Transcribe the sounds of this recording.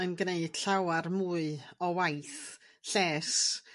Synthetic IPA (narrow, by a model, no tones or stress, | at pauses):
ənɡneɨd̥ɬawarmuːɨɔwajθ | ɬɛːs